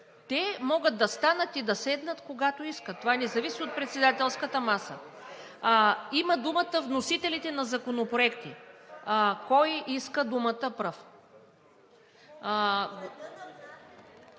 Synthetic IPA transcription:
t̪ɛmɔɡəd̪̚d̪ɐst̪anət̪id̪ɐsɛd̪nət̪koɡat̪oiskət̪ːovanɛzɐvisiot̪̚pɾɛt̪sɛd̪at̪ɛlˠskət̪əmasə̰ | iməd̪umət̪əvnosit̪ɛlit̪ɛnɐzɐkonopɾoɛkt̪i | kɔjʔiskəd̪umət̪əpɾɤf

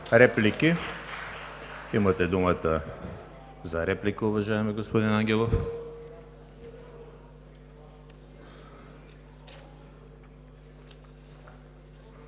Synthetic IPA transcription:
ɾɛplikʲi | imat̪ɛd̪umat̪a | zaɾɛplikɐuvaʒaɛmiɡospod̪inaŋɡʲɛlˠof

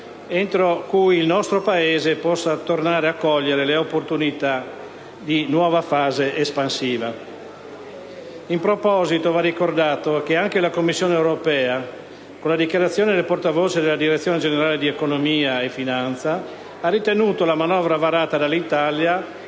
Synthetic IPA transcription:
ent̪ɾokujilnɔst̪ɾopaeːzepɔsːat̪ornaːɾeakːɔʎːeɾeleopːort̪unit̪a | d̪inwɔːvafaːzeʔespansiːva | impɾopɔːzit̪ovarːikord̪aːt̪ok̟eaŋkelakomːisːjoːneewɾopɛːa | konlad̪ikjaɾat̪sjoːned̪elport̪avoːt͡ʃed̪elːad̪iɾet̪sːjoːned͡ʒeneɾaːled̪iekonomiːaefinant̪sa | arit̪enuːt̪olamanɔvɾavaɾaːt̪ad̪alːit̪alja

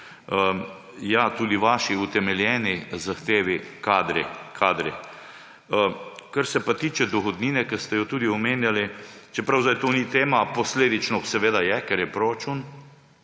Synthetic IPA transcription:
ə | jat̪uːd̪iʋaːʃiut̪ɛmɛljɛːnizaxt̪eːʋikad̪ɾɛkʰaːd̪ɾɛ | kaɾsɛpat̪iːt͡ʃɛd̪ɔxɔd̪niːnɛkəst̪ɛjɔt̪uːd̪iɔmeːnjalit͡ʃɛpɾawzajt̪oːnit̪eːmapɔsleːd̪it͡ʃnɔsɛʋeːd̪ajɛkɛɾjɛpɾoɾat͡ʃuːn

